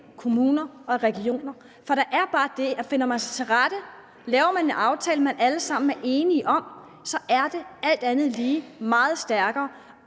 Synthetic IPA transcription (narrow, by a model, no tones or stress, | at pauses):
kʰo̝muːnɐɒ̽ʁɛɡ̥io̝̰ːnɐ | fɒ̽ɾ̥ɑ̈ʔæɐb̥ɑ̈ːd̥e̝fe̝n̰ɐmænsɑ̈t͡sʰe̝lʁad̥ə | lɛːʊɐmænenɑ̈ʊt͡sʰɛːləmænæləsɑ̈m̰n̩æɐʔe̝ːniʔɒ̽m | sɒ̽ʔæɐd̥e̝æl̰d̥ænð̩ˠliːmɑ̈ːð̩ˠsd̥æɐɡ̥ɐː